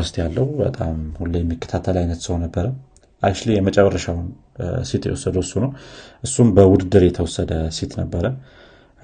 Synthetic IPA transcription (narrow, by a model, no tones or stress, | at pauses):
ɨst̪ʰjalːəhbə̰t̪ʼamhulːəjɛmːikʰːə̥t̪ʰat̪ʰəlajnət̪sɨhonːəbːəɾə | ʔajʃlijɛmət͡ʃʼɛβərːəʃawn | sit̪jɛ̰wɔsːəd̪əwɨsːunəwʔɨsːumbəwʊd̪ɨd̪ːɨɾjɛt̪ʰəwɔsːəd̪əsit̪nəbːəɾə